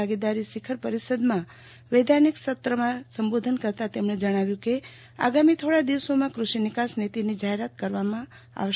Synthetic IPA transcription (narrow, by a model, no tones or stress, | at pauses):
aɡid̪aɾisɪkʰəɾpəɾisəd̪mã | ʋed̪ʱaniksət̪ɾəmãsəmbod̪ʱənkəɾt̪at̪emɳ̃ed͡ʒəɽ̃aʋjũke | a̰ɡamit̪ʰoɽad̪iʋsomãkɾuʃinɪkasnet̪inid͡ʒaɦeɾat̪̚kəɾʋamã | a̰ʋəʃ